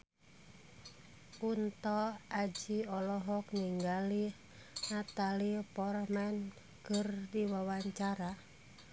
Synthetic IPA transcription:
unt̪ɔad͡ʒiɔlɔɦɔkniŋɡali | nat̪alipɔrmɛn | kɨrdiwawaɲt͡ʃaɾa

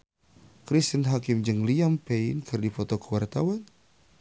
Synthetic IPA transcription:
kɾist̪ənɦakɪmd͡ʒɨŋliampeinkʰɨrdifɔt̪ɔkəwart̪awan

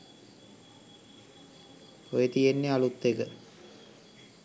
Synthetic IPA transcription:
pojet̪ijenːealut̪ːekə

